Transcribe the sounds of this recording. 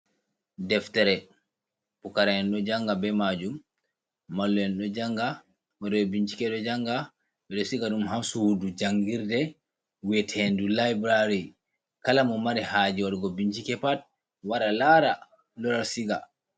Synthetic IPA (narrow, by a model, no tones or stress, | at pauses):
dɛftɛɾɛ | pukaɾaɛnɗɔd͡ʒaŋɡabɛmad͡ʒumː | alːɔɛnɗɔd͡ʒaŋɡa | waɗɔɔbiɲt͡ʃi̥kɛɗɔd͡ʒaŋɡa | ɓɛɗɔsiɡaɗumɦamsuwudud͡ʒaŋɡiɾdɛ | wɛtʰendulajbɾaɾi | kalamɔmaɾihad͡ʒiwaɗɔɡɔbiɲt͡ʃikɛpat̚ | waɾalaɾa | lɔɾasiɡa